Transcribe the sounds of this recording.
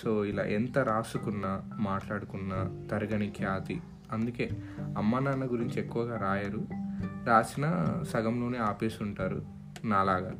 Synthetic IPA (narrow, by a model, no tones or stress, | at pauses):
soːila̰ːʔent̪ɐɾaːsukunːɐmaːʈlaːɽukunːɐt̪ɐɾɐɡɐɳikʰjaːt̪i | ɐnd̪uke̞ːɐmːɐnaːnːɐɡuɾiɲt͡ʃiekːuʋɐɡaːɾaːjɐɾuɾaːsinɐsɐɡɐmlo̞ːneːaːpeːsuɳʈaːɾṵ | naːlaːɡaː